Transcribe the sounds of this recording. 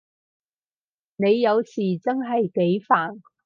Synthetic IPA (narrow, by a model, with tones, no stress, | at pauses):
ne˨˧jːɐ˨˧wsiː˨˩t͡sɐ˥nɦɐ˨jke˨˥jfaː˨˩n